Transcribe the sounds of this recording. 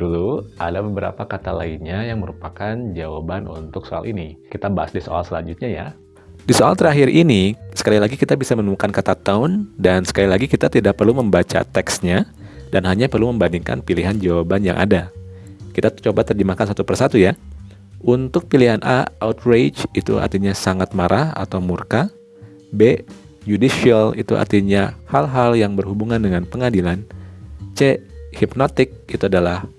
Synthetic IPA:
dulua̰dabəbəɾa̰pakat̪alainɲajaŋməɾupakand͡ʒawabanṵnt̪ʊksoa̰lʔinikit̪abaɦasdiso̰a̰lsəla̰ɲd͡ʒut̪̚ɲaja̰ | disoa̰lt̪əɾaɦiɾinisə̥kalilaɡikit̪abisamənumukankat̪at̪aʊndansə̥kalilaɡikit̪at̪idak̚pərluməmbat͡ʃa̰t̪ɛksɲa | danɦaɲapərluməmbandiŋka̰npiliɦand͡ʒawabanja̰ŋʔa̰dakit̪at͡ʃobat̪ərd͡ʒəmakansat̪upərsat̪uja | unt̪ʊk̚piliɦanʔa̰a̰ut̪red͡ʒit̪ṵa̰rt̪iɲasaŋat̪̚maɾʔaha̰t̪awmurka | be | d͡ʒudiʃialḭt̪uʔa̰rt̪iɲahalɦaljaŋbərhubuŋandəŋanpəŋadilant͡ʃehipnot̪ɪk̚it̪uadalah

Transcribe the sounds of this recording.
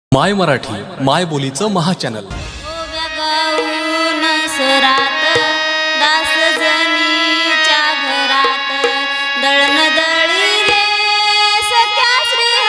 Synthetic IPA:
majməɾaʈʰḭː | majbolit͡səməɦat͡ɕænə̰l | oʋjɐɡaunəsəɾat̪əd̪asəd͡zənit͡ɕabəɾat̪ə | d̪əɭməd̪əɭi | le | sək̪ʰːjaɕɾiː

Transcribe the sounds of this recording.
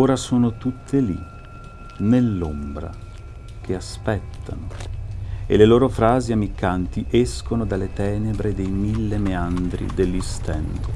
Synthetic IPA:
oːɾasoːnot̪ut̪ʰːelḭ | nelːombɾa̰ | k̟ʰeaspɛt̪ʰːano | ḛleloːɾofɾaːziamikːant̪iʔɛskonod̪alːet̪ɛːnebɾed̪ejmilːemeand̪ɾḭd̪elːist̪ɛnt̪o

